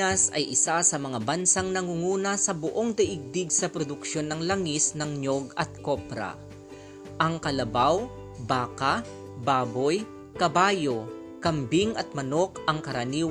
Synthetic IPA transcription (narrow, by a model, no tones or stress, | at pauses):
ɐsɐ̰jʔɪsasɐmɐŋabɐnsaŋnɐŋuŋuːnɐsɐbʊʔo̞ŋd̪ɐʔɪɡ̚d̪ɪɡsɐpɾod̪ʊkʃo̞nːɐŋlɐŋisnɐŋɲo̞ɡɐt̪̚ko̞pɾɐ̰ | ʔɐŋkɐlɐbaw | baːka | baːbo̞j | kɐbaːjo̞ | kɐmbiŋʔɐt̪̚mɐnokɐŋkɐɾɐniːw